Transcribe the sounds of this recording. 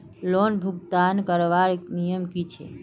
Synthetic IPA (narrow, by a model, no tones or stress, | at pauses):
lonbʱuɡ̚t̪ankəɾʋaɾnijəmkit͡ʃʰɛ̰